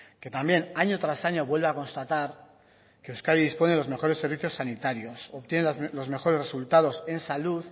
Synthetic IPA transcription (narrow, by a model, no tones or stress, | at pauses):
ke̞t̪ambje̞naɲo̞t̪ɾasaɲo̞βwe̞lβeako̞nst̪at̪aɾ | ke̞uskajiðispo̞nelo̞zme̞xo̞ɾe̞sːe̞ɾβ̞iθjo̞sːanit̪aɾjo̞so̞pt̪je̞nelo̞zme̞xo̞ɾeresult̪að̞o̞se̞nsaluð